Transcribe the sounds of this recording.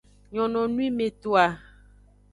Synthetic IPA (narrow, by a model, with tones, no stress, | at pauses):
ɲɔ̃˨nɔ̃˨nũ˦i˦mẽ˨t̪o˨a˨